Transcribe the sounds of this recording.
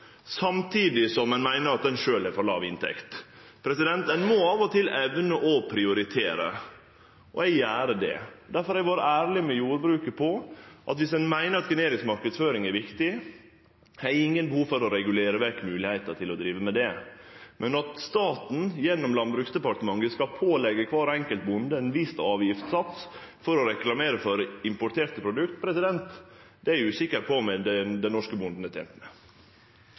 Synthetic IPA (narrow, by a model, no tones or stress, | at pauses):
sɑmt̪ʰiːd̪ɪsɔmːɛnmæɪnəɾɑt̪̚d̪ɛnʂøːlɛfɔɾlɑ̰ːʋɪnt̪ʰɛ̰kt̪ | pʰɾɛsɪd̪ɛnt̪ɛnmɔɑːʋɔt̪ʰɪlɛʋnəʔɔpʰɾɪʊɾɪt̪ʰeːɾə̰ | ʔɔ̰ɛɡjæːɾəd̪ɛ̰d̪æɾfɔɾhɛɡʋɑːɾəʔæːɾlɪmɛjuːɾbɾʉːkəpʰɔʔɑt̪ʋɪsɛnmæɪnəɾɑt̪ɡəneːɾɪŋsmɑɾkəd̪sføːɾɪŋɛɾʋɪkt̪ɪ | hæɾɪŋːənbəhuːʋfɔɾɔɾɛɡʉleːɾəʋæɾkmʉːlɪhæɪt̪ət̪ʰɪlɔd̪ɾiːʋəmɛd̪ɛmʔɛnɑt̪st̪ɑːt̪n̩jɛnːɔmlɑnbɾʉːksd̪ɛpɑʈ̪əmɑŋəskɑpʰoːlɛɡəkʰʋɑːɾɛŋkəlt̪̚bʊnd̪əɛnʋɪst̪ɑːʋjɪft̪sɑt̪sfɔɾɔɾɛklɑmeːɾəfɔɾɪmpɔʈ̪ʰeːɾt̪əpʰɾʊd̪ʉkt̪pʰɾɛsɪd̪ɛnt̪ | d̪̥ɛæɾʉːsɪkːəɾpʰɔmɛd̪ɛd̪ɛnnɔʂkəbʊnd̪n̩ət̪ʰɛ̰ːnt̪nɛ